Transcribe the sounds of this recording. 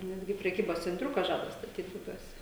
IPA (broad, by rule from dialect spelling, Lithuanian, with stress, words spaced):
ˈnʲæːdʲɡʲɪ pʲrʲɛˈkʲiːboːs t͡sʲɛnʲˈtʲrʲʊkɐ ˈʒɑːdɐ stɐˈtʲiːt bʊˈbʲuɔsʲɛ